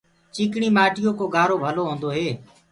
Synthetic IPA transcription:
t͡ʃiːkɳiːmaːʈɪjoːkoːɡaːɾoːbʱəloːɦõːnd̪oːɦeː

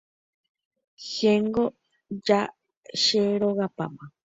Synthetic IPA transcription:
xeŋɡo | d͡ʒa | ʃeɾoɣapa̰mã

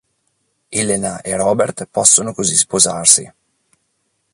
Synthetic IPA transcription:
elenaʔerɔːbert̪pɔsːonokozispozarsḭ

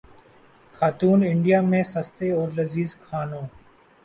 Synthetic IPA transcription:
kʰaːt̪uːnɪɳɖijaːmẽːsəst̪eːɔːɾlɐziːzkʰaːnõː

